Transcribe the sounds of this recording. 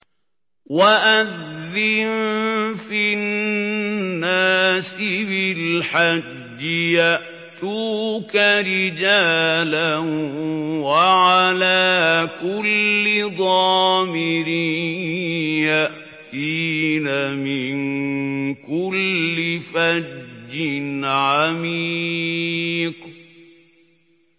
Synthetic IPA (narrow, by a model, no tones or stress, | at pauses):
waʔaðːɪnfin | nːaːsɪbɪlħad͡ʒːɪjaʔ | t̪uːkaɾɪd͡ʒaːla | waʕalaːkʊlːɪðˤɑːmɪɾɪ | jaʔ | t̪inamɪn | kʊlːɪfad͡ʒːɪnʕamiː | q